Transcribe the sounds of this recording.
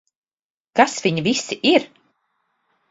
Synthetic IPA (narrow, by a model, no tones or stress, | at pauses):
kasviɲivisiʔiɾ